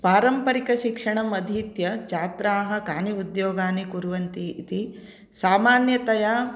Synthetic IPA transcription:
paːɾɐmpɐɾikɐʃikʂɐɳɐmɐd̪ʱiːt̪jɐt͡ʃaːt̪ɾaːɦɐkaːniud̪joːɡaːnikuɾuʋɐnt̪it̪i | saːmaːnjɐt̪ɐjaː

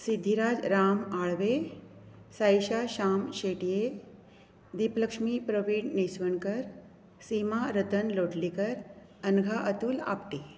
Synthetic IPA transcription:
sid̪ʱːiɾaːd͡ʒɾaːmaːɭʋe | sajʃaʃaːmʃeːʈije | d̪ipləkʂmipɾəʋiːɖniswəɳkəɾ | siːmaɾət̪ənloːʈlikəɾ | ɐnɡʱaʔət̪uːla̰ːpʈi

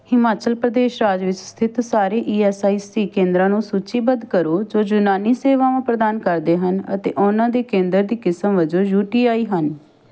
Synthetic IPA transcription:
hɪmaːt͡ʃəlpɾəd̪eːʃɾaːd͡ʒʋɪt͡ʃst̪ʰɪt̪saːɾeːʔiːɛːsaːiːsiːkẽːnd̪ɾãːnũːsuːt͡ʃiːbənd̪kəɾoːd͡ʒoːd͡ʒʊnaːniːseːʋãːãːpɾəd̪aːnkəɾd̪eːɦənə̰t̪ḛːʔʊnãːd̪eːkẽːnd̪əɾd̪iːkɪsəmʋəd͡ʒoːjuːʈiːaːiːɦən

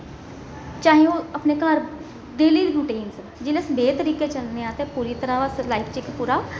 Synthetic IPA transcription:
t͡ʃãːɦĩõəpneːkələɾ | ɖeːliːɾuːʈeːns | d͡ʒeːlesbeːt̪əɾiːkeːt͡ʃəlneãːt̪eːpuːɾiːt̪əɾãːʋəslaːikʰt͡ʃɪkpuːɾaː

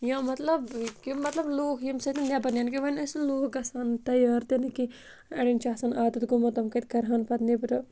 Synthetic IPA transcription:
jãːmɐt̪lɐbkimːɐt̪lɐbloːkʰjimsɐt̪inʲjabɐnjaːnkiʋɐnɐsloːkɐsaːnt̪ɐjaːɾt̪enɐki | ɐɽint͡ʃaːsɐːnaːd̪ɐt̪ɡumɐt̪ɐmkɐt̪kɐɾɦanpɐt̪nipɾɐ

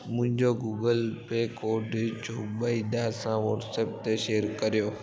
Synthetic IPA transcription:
mʊ̃ɦɪ̃ɲd͡ʑoɡuːɡəlpekoːɖt͡ɕobəid̪asãʋɔʈseːp̚t̪eʃeːəɾkɐɾijoː

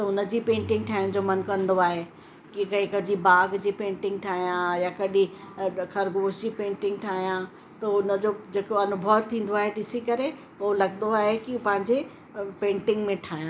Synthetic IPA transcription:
t̪ɐʊnə̆d͡ʑiːpẽːɳʈɪ̃ŋɡ̚ʈʰaːjɪʊ̃d͡ʑomɐnkɐ̃nd̪oaːɦe | kikɐɦĩkɐd͡ʑibaːɡd͡ʑiːpẽːɳʈɪ̃ŋɡʈʰaːɦijãjakɐɗixɐɾɡoːʃd͡ʑiːpẽːɳʈɪ̃ŋɡ̚ʈʰaːɦijã | t̪ɐʊnəd͡ʑoːd͡ʑeːkoɐnʊbʱəʋt̪ʰĩːn̆d̪oaːɦeɗɪsikɐɾe | olɐɡnd̪oaːɦekipɐ̃ɦɪ̃ɲd͡ʑe | pẽːɳʈɪ̃ŋɡmẽʈʰaːɦijãː

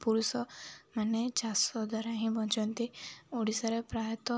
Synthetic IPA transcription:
puɾusɔmanet͡ʃasɔd̪ʱɔɾaɦĩbɔ̃nt͡ʃɔnt̪ioɽisaɾepɾajɔt̪ɔ

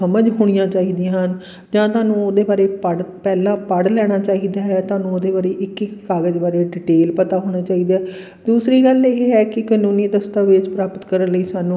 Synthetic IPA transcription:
əməd͡ʒɦoːɽ̃ijãːt͡ʃaːiːd̪iãːɦən | d͡ʒãːt̪ʊaːnũːoːd̪eːbaːɾeːpəɽpɛːlãːpəɽlɛːɽ̃aːt͡ʃaːɦiːd̪aːɦɛːt̪ʊaːnũːoːd̪eːbaːɾeːʔɪkɪkːaːɡəd͡ʒbaːɾeːɖɪʈeːlpət̪aːɦoːɽ̃aːt͡ʃaːiːd̪aːɦɛː | d̪uːsɾiːɡəleːɦɛːkɪkaːnuːniːd̪əst̪aːʋɪd͡ʒpɾaːpət̪kəɾənləiːsaːnũː

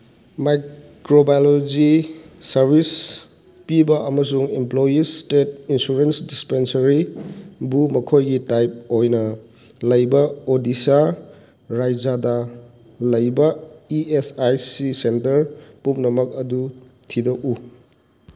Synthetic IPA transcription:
majkɾobajolod͡ʒisɐɾbʱis | pibɐʔɐmɐs̬uŋimplojistet̚insuɾensdispensɐɾibumɐkʰojɡitajp̚ojnɐ | lɐjbɐodisa | ɾajd͡ʒadɐ | lɐjbɐiesajsisentɐɾpumnɐmɐk̚ɐdutʰidɐʔu

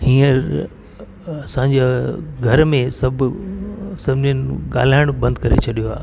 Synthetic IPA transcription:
hiːəɾ | ɐsãɲ̆d͡ʑeɡʱɐɾmẽsɐbʱ | sɐbʱniənɪɠa̰ːl̤aːɪɽ̃bɐ̃nd̪̚kɐɾḛt͡ɕʰɐɗijoɦa̰ːɦ

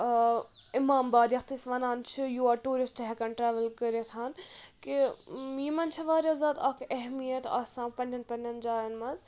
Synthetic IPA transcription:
ɪmaːmbaːd̪jɐxt̪isʋɐnaːnt͡ʃʰijuaːʈuːɾisʈɦɛkɐnʈɾaːʋɐlkəɾet̪ʰaːnkijimɐnt͡ʃʰɐʋaːɾʲɐzaːd̪ɐkʰɛɦmijɐt̪a̰ːsãːnpɐnːʲɐnpɐnʲɐnd͡ʒaːjɐnmɐz

